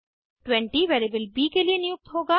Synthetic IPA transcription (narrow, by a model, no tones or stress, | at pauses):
ʈwɛ̃ɳʈiʋeːɾibəlbiːkelienɪjʊk̚t̪ɦoːɡaː